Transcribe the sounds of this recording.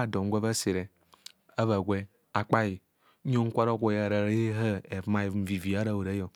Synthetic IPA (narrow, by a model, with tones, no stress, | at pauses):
a˦˨do˨ŋ̩˦ɡʷe˦βa˦se˨ɾe˨ | a˦βa˨ɡʷe˦ | a˨k͡pa˦ji˨˦ | ɲo˦ŋ̩˦kʷa˦ɾo˦ɡʷo˦ja˨ɾa˨ɾe˦ɦa˦e˨˦ma˦˨˦m̩˨vi˨vi˨a˦ɾa˦˨o˨ɾa˦jo˨